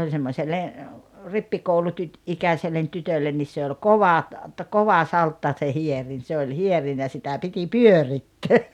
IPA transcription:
olʲ semːosʲelːe ripːikoulutyt ikæsʲelːen tytølːen nis se olʲ koʋɑ t koʋɑ sɑltːɑ se hierin se olʲ hierin jɑ sitæ piti pyøritːøː

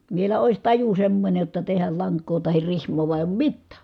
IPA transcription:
ʋielæ ois tɑju semːonʲej jotːɑ tehæl lɑŋkˑoː tɑhir rihmˑoː ʋuɑ eˑi̯ oːm mitːæˑ

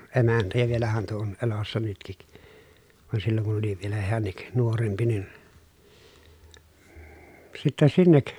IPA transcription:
emæntæ jɑ ʋielæhæn tuo on elosːɑ nytkik ʋɑn silːoŋ kun oli ʋielæ heænːik nuorempi nin sitːæ sinːek

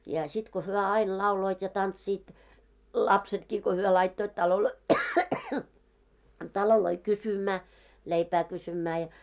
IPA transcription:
jɑ sit ko hyø ɑil lɑuloit jɑ tɑntsiːt lɑpsetkiː ko hyø lɑitːoit tɑloloi tɑloloi kysymæː leipæː kysymæː jɑ

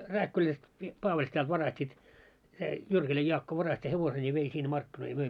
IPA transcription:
ræːkːylæst mi pɑːʋɑlʲsetælt ʋɑrɑstiːt se jyrkilæj jɑːkːo ʋɑrɑsti heʋosenʲ jɑ ʋei sinːe mɑrkːinoi jɑ møi

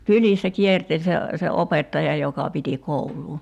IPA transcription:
kylisːæ kiertelʲ se se opetːɑjɑ jokɑ piti koulˑuː

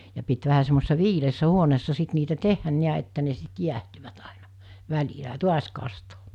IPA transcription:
jɑ pit ʋæhæ semːosesːɑ ʋiːleːsːæ huoneːsːɑ sit niːtæ tehːæn niæ etːæ ne sit jiæhtyʋæt ɑˑinɑ̥ ʋælʲilæ ɑ tuɑs kɑstoː

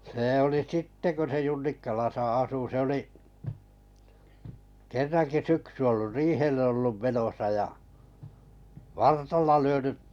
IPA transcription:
seː oli sitːe ko se junːikːɑlɑsɑ ɑsu se oliʔ kerːɑŋki syksy olːu riːhelːĕ olːum menosɑ jɑ ʋɑrtɑlːɑ lyønyʔ

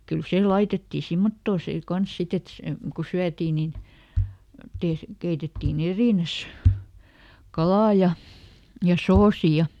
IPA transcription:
kyl seˑ lɑitetːiː simːotːoː seː kɑns sit et se ku syætiː nin teːs keitetːiːn eriˑnæs kɑlɑˑ jɑ jɑ soːsi jɑ

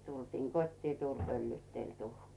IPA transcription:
tultiːŋ kotʲtiː tuːlʲ pølːyːtːelʲ tuhkiː

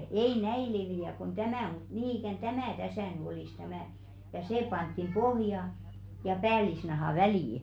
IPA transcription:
ei næi leʋiæ kon tæmæˑ mut niː ikæˑn tæmæˑ tæsæˑ ny olis tæmæ jɑ seˑ pɑntːim b̥ohjɑ jɑ pæːlisnɑhɑˑ ʋæliˑ

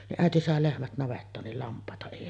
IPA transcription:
niʔ ʔæˑeti sɑˑe lehmæt nɑʋetːɑːn nil lɑmpˑɑˑetɑ eˑi

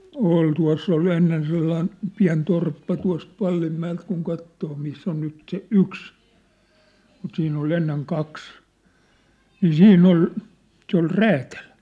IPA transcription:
ol tuɑ̝s s ol enːen selːɑĭn piæ̝n torpːɑ tuɑ̝st ʋɑlːimːæelt kuŋ kɑtːoː misː on nyt se yks mut siːnː ol enːeŋ kɑks niː siːnː ol se ol ræːtæl

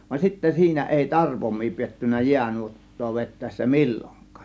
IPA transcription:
ʋɑn sitːæ siːnæ eˑi tɑrpomˑiː pietːynˑæ jiænuotːoː ʋetˑæˑe̝sːæ milʲːoŋkˑɑ̥ː

